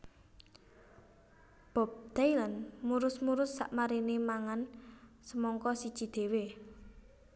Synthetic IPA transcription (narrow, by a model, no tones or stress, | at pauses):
b̥ɔ̤p̚t̪ailənmuɾʊsmuɾʊsːa̰ʔmaɾinemaŋan | səmɔŋkɔsid̥ʒ̥i̤d̪̥e̤we